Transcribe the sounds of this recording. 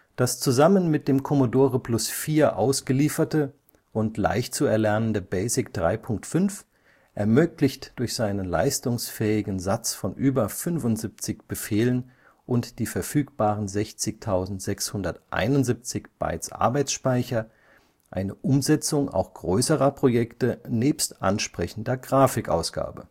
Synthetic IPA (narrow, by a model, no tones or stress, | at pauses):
d̥ast͡suzamənmɪt̚d̥eːmkʰɔmodoːʁəpʰlʊsfiːɐʔa̰ʊsɡ̥əliːfɐtə | ʔʊntla̰ɪçtt͡suɛɐlɛɐnəndəbɛɪsɪkd̥ʁa̰ɪpʰʊŋk̚tfʏnf | ʔɛɐmøːklɪçtd̥ʊɐçz̥aɪnənla̰ɪstʊŋsfɛːɪɡn̩zat͡sfɔnʔyːbɐfʏnfʊntz̥ip̚t͡sɪçb̥əfeːlən | ʔʊntd̥iːfɛɐfyːk̚b̥aːʁənzɛçt͡sɪçtʰaʊzn̩tz̥ɛkshʊndɐtʔa̰ɪnʊnzip̚t͡sɪçb̥a̰ɪt͡sʔa̰ɐbaɪt͡ssʃpaɪçɐ | ʔa̰ɪnəʔʊmzɛt͡sʊŋa̰ʊxɡ̥ʁøʏsəʁɐpʁ̥ojɛktəneːpstʔa̰nʃpʁ̥ɛçn̩dɐɡʁaːfɪkʔa̰ʊsɡ̥a̰ːbə